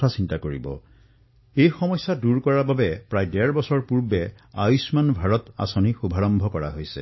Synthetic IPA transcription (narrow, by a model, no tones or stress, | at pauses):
asintakoɹibɔ̰ | ejxɔmɔjsːaduɹkɔɹababɛpɹajdɛɹbɔsɔɹpuɹbɛ | a̰jusmanbʱaɹɔta̰sɔnixubʱaɹɔmbʱɔkɔɹaɦojsɛ̰